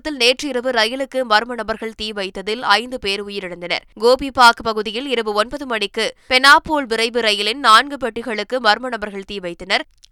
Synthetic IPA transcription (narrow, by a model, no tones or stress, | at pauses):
t̪ːɪlneːʈrɪɪɾɯʋɯɾɐjɪlɯkːɯmɐɾɯmɐnɐbɐɾɣɐɭt̪iːʋɐɪt̪ːɐðɪlɐɪnd̪ɯpeːɾʊjɪɾɪɽɐnd̪ɐnɐ̰ɾɡoːbipaːkɯpɐɣɯðɪjɪlɪɾɯbɯɔnbɐðɯmɐɳɪkːɯpɛnaːpːoːɭʋɪɾɐɪʋɯɾɐjɪlɪnnaːnɡɯp̬ɛʈːɪɣɐɭɯkːɯmɐɾɯmɐnɐbɐɾɣɐɭt̪iːʋɐɪt̪ːɪnɐɾ